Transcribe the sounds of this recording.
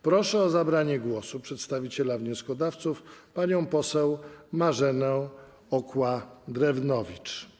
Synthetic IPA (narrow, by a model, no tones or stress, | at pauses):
pɾɔʂɛɔzabɾaɲɛɡwɔsupʂɛt̪st̪avʲit͡ɕɛlavɲɔ̃skɔd̪aft̪sufpaɲɔ̃w̃pɔsɛwmaʐɛnɛ̃ | ɔkwad̪ɾɛvnɔvʲit͡ʂ